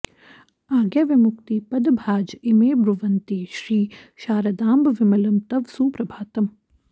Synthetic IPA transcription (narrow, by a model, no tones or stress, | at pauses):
aːɡjaʋɪmʊkt̪ipɐd̪bʱaːd͡ʒɪmeːbɾuʋɐnt̪iːʃɾiːʃaːɾɐd̪aːmbʋɪmɐlɐmt̪ɐʋsuːpɾɐbʱaːt̪ɐm